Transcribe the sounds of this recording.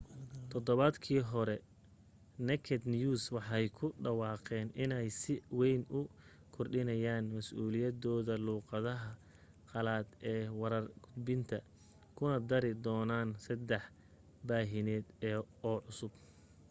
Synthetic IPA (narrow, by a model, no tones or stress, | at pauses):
t̪ʰɔd̪ɔβɐd̪kʰiːɦɔɾɛ | nɛkʰɛd̪njuːswɑħɑjkʰʊɖɑwɑːqɛːnɪnɛjsɪwɛjnʊ | kʰɔrɖɪnɐjaːnmɐsʔuːlɪjɐd̪ɔːðɐluːqɑðɐɦɐ | qɑlaːd̪ɛːwɐɾɐrɡʰʊd̪bɪnt̪ʰɐ | kʰʊnɐd̪ɐɾɪd̪ɔːnaːnsɐd̪ɛħ | baːɦɪnɛːd̪ɛː | ɔːʕʊsʊb